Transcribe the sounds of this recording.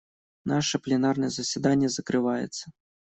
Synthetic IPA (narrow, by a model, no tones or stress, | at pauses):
naʂɛplʲɛnarnɛzɐsʲid̪anʲːɐzɐkɾɨvɑjɛ̰t̪sːɐ